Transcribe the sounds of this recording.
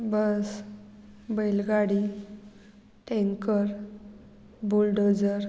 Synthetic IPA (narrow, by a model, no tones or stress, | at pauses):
bəs | bəjlɡaɽi | ʈɛ̃ŋkəɾ | bulɖod͡zəɾ